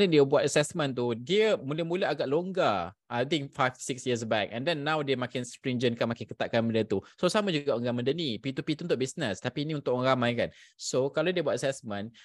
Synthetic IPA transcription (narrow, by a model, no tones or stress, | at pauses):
nədiəbuat̪əsɛsmə̃nt̪̬udiəmũlɛmũlaaɡaʔloŋɡaʔajt̪̬ĩŋfajfsiksjis̬bɛk̚ɛ̰̃ndɛnːãwdemãkɪnspɾĩŋd͡ʒənkanmakɪnkət̪aʔkanbəndət̪usosamãd͡ʒuɡaəŋɡamə̃ndənipit̪upit̪unt̪ʊʔ̚bisnəst̪apiːnĩunt̪ʊʔɾamãjkansokalodiəbuat̚əsɛsmə̃n